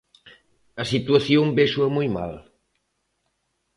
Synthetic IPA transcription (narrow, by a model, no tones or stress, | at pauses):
əsit̪uaθjombeʃuamujma̰l